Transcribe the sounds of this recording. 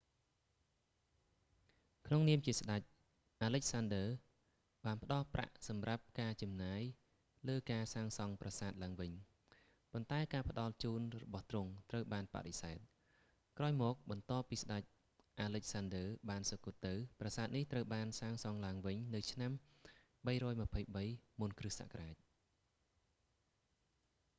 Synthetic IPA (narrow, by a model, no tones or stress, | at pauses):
kʰnoŋniəmt͡ɕiəsɗac̚ | ʔaːləc̚sanɗəː | ɓaːnpə̆ɗɑlpra̰ʔsɑmrap̚kaːt͡ɕɑmnaːj | ləːkaːsaːŋsɑŋprasaːt̪̚laəŋʋɨɲ | pont̪aɛkaːpə̆ɗɑlt͡ɕuːnrɔɓɑht̪rʊŋt̪rəwɓaːnpa̰ʔɗesaɛt̪̚ | kraɔjmɔːk̚ɓɑnt̪oːpːiːsɗac̚ | ʔaːlɨc̚sandəːɓaːnsokuət̪ːɨwprɑsaːt̪̚niht̪rəwɓaːnsaːŋsɑŋlaəŋʋɨɲnɨwt͡ɕʰnam | ɓəjɾɔːjməpʰəjɓəjmunkrɨhsa̰ʔkraːc̚